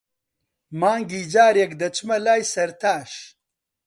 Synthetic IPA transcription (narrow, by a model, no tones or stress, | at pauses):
maːŋɡiːd͡ʒaːɾjɐkd̪ɐt͡ʃmɐlaːjsɐɾt̪ʰaːʃ